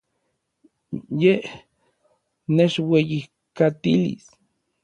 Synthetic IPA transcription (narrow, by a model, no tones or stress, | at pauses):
jeh | net͡ʃwejih | kat̪ilḭs